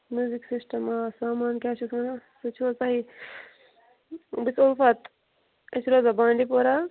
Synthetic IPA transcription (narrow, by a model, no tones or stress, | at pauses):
mjuːziksisʈɐmaːsaːmaːnkʲjaːʃukʰmɐnasut͡ʃʰot͡sɐɦi | bisofɐt̪ | esɾoːzɐbãːɳɖipoɾa